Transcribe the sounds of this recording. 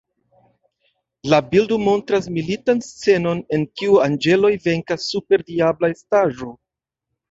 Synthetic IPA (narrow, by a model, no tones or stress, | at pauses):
labildomo̞ntɾas̬militanst͡se̞no̞ne̞nkiuand͡ʒe̞lo̞jve̞ŋkasːupe̞ɾdiablaestaʒo̞